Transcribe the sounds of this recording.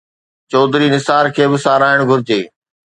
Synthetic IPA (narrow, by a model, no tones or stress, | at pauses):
t͡ɕɔːd̪ɾinɪsaːɾkʰeːbɪsaːɾaːɪɽ̃ɡʱʊɾɪd͡ʑeː